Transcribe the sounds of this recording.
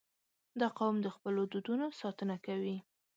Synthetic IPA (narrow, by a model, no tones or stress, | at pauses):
d̪ɑqawmd̪əxpəlod̪ud̪unosɑt̪ənakawi